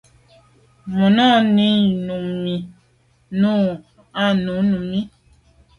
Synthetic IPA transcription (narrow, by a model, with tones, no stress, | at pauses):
mɔ˨nɔ˦˨ni˦nu˨mi˨ | nu˦ | a˦˨nũ˨˦nu˨mi˦